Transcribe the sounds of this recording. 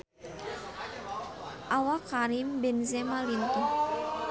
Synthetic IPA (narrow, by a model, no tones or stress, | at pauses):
ʔawakaɾimbɛnzɛmalint̪ɔ